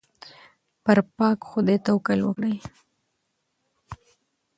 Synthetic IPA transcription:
pəɾpɑkxʊd̪et̪awkəlwə̰kɽəj

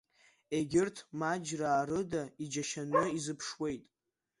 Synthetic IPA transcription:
eɡʲɪrtʰmad͡ʒraːɾɨdaid͡ʒaʃanɨizɨpʰʂwe̞jtʼ

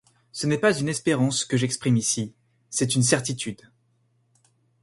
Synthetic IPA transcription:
sənɛpazynɛspeʁɑ̃skəʒɛkspχimisi | sɛt̪yns̬ɛʁt̪it̪ʰyd̪

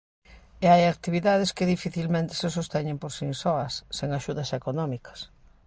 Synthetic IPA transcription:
eajak̚t̪iβiðað̞eskeðifiθilmẽnt̪e̥ses̬ost̪ɛɲẽmpoɾsisɔɐsːeŋaʃuðɐsekonɔmikɐ̥s

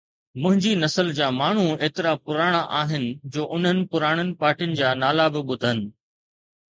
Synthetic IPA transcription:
mʊ̃ɦɪ̃ɲd͡ʑinɐsəld͡ʑaːmaːɳ̤ueːt̪ɪɾapʊɾaːɽ̃aʔaːɦɪnɪ̆d͡ʑoːʔʊn̤ənɪ̆pʊɾaːɽ̃ənɪ̆paːɾʈijʊnɪ̆d͡ʑaːnaːlabɪɓʊd̪ʱənɪ̆

